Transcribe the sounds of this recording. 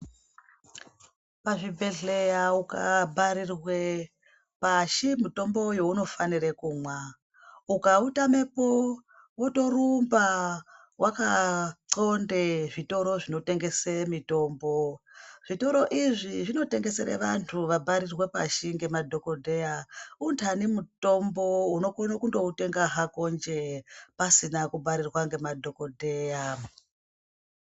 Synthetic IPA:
paʐibʱe̞ɮe̞jaukabʱaɾirwe | paʃimito̞mbo̞jo̞uno̞fanirekuːmwa | ukautame̞po | woto̞rumba | wʔakaǀo̞ndeʐito̞ɾo̞ʐino̞te̞ŋɡe̞semito̞ːmbo̞ʐ̥ito̞ɾo̞ʔiʐiʐino̞te̞ŋɡe̞seɾḛʋa̰ntʰuʋabʱaɾirwe̞pa̰ʃiŋɡe̞madʱo̞ko̞dʱe̞jauntʰanimuto̞mbo̞uno̞konakundo̞ute̞ŋɡaɦakond͡ʒepasinakubʱaɾirwaŋɡe̞madʱo̞kodʱeja

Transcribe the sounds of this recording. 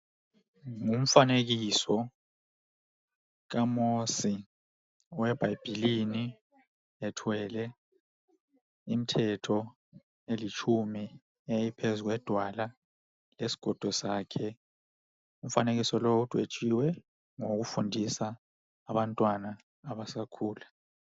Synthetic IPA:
ŋum̩fanek̬isɔ | k̬amosi | wɛb̥ʱajb̥ʱilini | ɛtʰwɛlɛ | im̩tʰɛtʰɔ | elit͡ʃʰumi | ejipʰezuk̬wɛd̥ʱwala | lesi̥ɡ̥ʱɔd̥ʱɔsaːkʰɛ | um̩fanek̬isɔloud̥ʼʱwet͡ʃʼiwɛ | ŋok̬ufundʱisaː | ɓantʼwanaː | βasakʰuːla

